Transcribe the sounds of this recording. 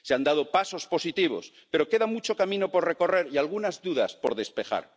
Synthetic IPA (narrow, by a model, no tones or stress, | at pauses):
seand̪að̞opaso̞spo̞sit̪iβ̞o̞̰s | pe̞ɾo̞ke̞ðamut͡ʃo̞kamĩno̞po̞ɾre̞ko̞re̞ɾialɣ̞unazðuðaspo̞ɾðe̞spe̞xa̰ɾ